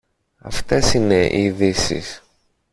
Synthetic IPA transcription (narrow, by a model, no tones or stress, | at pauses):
ɐ̰ft̪esine̞ʔiðisḭs